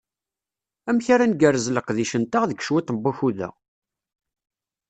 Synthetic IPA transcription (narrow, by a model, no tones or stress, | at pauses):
æmçaɾanɡærəzləqðiʃənt̪aʁðəɡʃwit̪ˤmbːæçuðæ̰